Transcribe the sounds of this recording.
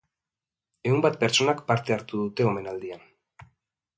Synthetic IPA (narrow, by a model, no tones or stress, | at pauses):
e̞umbat̪̚pe̞ɾt͡ʃo̞nakpaɾt̪e̞aɾt̪uðut̪e̞o̞me̞nald̪ian